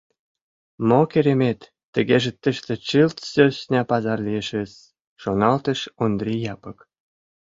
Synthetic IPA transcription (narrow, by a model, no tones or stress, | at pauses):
mokeɾʲemʲet̪ːə̆ɣeʒĕt̪ːə̆ʃt̪ĕt͡ɕɯlt̪søsnʲɑpɑzɑrlʲieʃɘ̆s | ʃonɑlt̪ɤ̆ʃond̪rʲijɑpɤ̆k